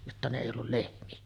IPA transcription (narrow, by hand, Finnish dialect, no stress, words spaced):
jotːɑ ne eˑi olːul lehmiæ